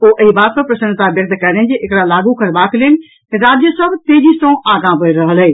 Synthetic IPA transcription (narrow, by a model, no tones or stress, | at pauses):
oːʔɐibaːt̪̚pɐɾpɾɐsənt̪aʋjɐk̚t̪kɐɾnẽd͡ʑeʔɪkɽalaːɡũkɐɾbaːklenɪ̆ | keɾaːd͡ʑjəsɐbt̪eːd͡ʑisõːaːɡãbəeɾɐɦəlɦeː